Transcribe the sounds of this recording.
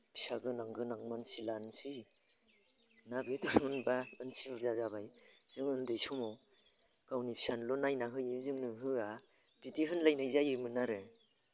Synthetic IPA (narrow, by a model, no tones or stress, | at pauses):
pʰi̥saɡɯnaŋɡɯnaŋmansilansi | nabetɔɾmɯnbaansibɯɾzazabajz̥ɯŋɯndɯjsɔmɔ | kawnipʰi̥sanlɔnajnaɦɯjizɯŋnɯɦɯa | b̥itiɦɯnlajnɯjzajɯmɯnaɾɯ